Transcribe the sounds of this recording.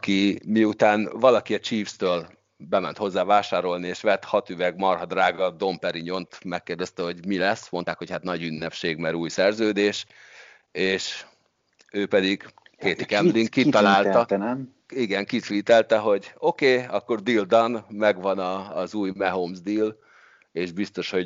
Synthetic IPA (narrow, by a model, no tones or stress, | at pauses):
ɒkimiut̪aːnvɒlɒkiɒt͡ʃiːfst̪øːl | bɛmɛnt̪ho̞zːaːvaːʃaːɾo̞lnieːʃʋɛt̪hɒt̪yvɛɡmɒrɦɒd̪raːɡɒd̪o̞mpɛɾiɲo̞nt̪mɛkːeːrd̪ɛst̪ɛɦo̞ɟmilɛsmo̞nt̪aːkho̞chat̪nɒɟynːɛpʃeːɡmɛɾuːjsɛrzøːd̪eːʃ | eːʃ | øːpɛd̪iɡ̥ | keːt̪ikɛmbliŋkkːit̪ɒlaːlt̪ɒt̪ | iɡɛŋkit̪ʋiːt̪ɛlt̪ɛɦo̞ɟo̞keːɒkːo̞rd̪ild̪ɒnmɛɡʋɒnɒːzuːjmɛɦomzd̪il | eːʒbist̪o̞ʃho̞ɟ